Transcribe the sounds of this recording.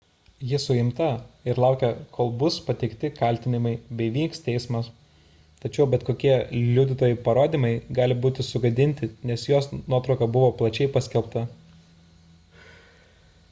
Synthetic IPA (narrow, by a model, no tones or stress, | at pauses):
jɪsʊɪmt̪ɐɪɾlˠɐˑʊkʲɛkʰoːlˠbʊspɐt̪ʲɛɪkt̪ʲɪkɐlʲt̪ʲɪnʲɪmɐɪbʲɛɪʋʲiːkst̪ʲɛɪsmɐs | t̪ɐt͡ʃʲɛʊbʲɛt̪koːkʲiɛlʲʊd̪ʲɪt̪oːjɛɪpɐɾoːd̪ʲiːmɐɪɡɑːlʲɪbuːt̪ʲɪsʊɡɐd̪ʲɪnʲt̪ʲɪnʲɛsjoːsnuɔt̪ɾɒʊkɐbʊʋoːplˠɐt͡ʃʲɛɪpɐsʲkʲɛlˠp̚t̪ɐ